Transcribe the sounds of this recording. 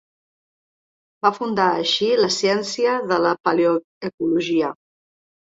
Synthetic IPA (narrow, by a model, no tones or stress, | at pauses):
bafund̪aəʃiləsjɛnsiəðələpaljo | əkuluʒiə